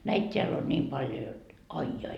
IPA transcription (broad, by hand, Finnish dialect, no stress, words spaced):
næit tʲeæl on nʲiːm pɑljo jot ɑi jɑi